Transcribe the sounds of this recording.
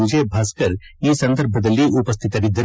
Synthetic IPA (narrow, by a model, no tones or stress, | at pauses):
ʊd͡ʒʱebʱaskəɾ | jesɐ̃nd̪əɾb̚ʱbəd̪əliʔʊpəs̬t̪ʰɪt̪ɐɾid̪ə